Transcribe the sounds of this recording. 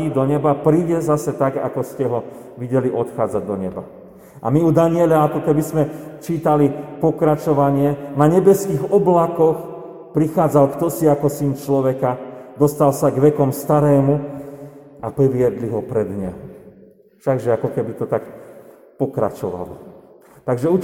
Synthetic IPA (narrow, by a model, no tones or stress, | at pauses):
id̪ɔɲɛbapɾiːɟɛzasɛt̪aɡa̰kɔscɛɦɔ | ʋiɟɛliʔɔt̪xaːd͡zaɟd̪ɔɲɛba̰ | ʔa̰miud̪aɲɪɛʎaakɔkɛbizmɛt͡ʃiːt̪alipɔkɾat͡ʃɔʋaɲɪɛnaɲɛbɛskiɣɔblakɔx | pɾixaːd͡zalkt̪ɔsiakɔsint͡ʃlɔʋɛkad̪ɔst̪alsaɡʋɛkɔmst̪aɾɛːmu | apɾiʋɪɛd̪liɦɔpɾɛd̪ɲɛɦɔ | ʃaɡʒɛakɔkɛbit̪ɔt̪ak | pɔkɾa̰t͡ʃɔ̰ʋa̰lɔ̰ | t̪aɡʒɛu